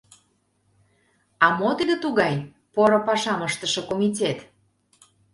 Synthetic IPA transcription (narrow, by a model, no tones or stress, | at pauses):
ɑmot̪əd̪ə̆t̪uɣɑj | poɾopɑʃɑməʃt̪əʃɤ̆komʲit̬ʲet̪